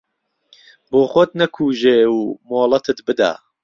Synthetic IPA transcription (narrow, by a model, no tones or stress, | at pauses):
boːxoːt̪̚nɐkʰuːʒeːwmoːlˠɐt̪ʰɨt̪bɨd̪a̰ː